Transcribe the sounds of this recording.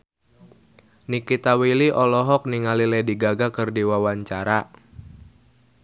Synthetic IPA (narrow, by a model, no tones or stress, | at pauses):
nikit̪awiliʔɔlɔɦɔk̚niŋalilɛdiɡaɡakɨrdiwawaɲt͡ʃaɾa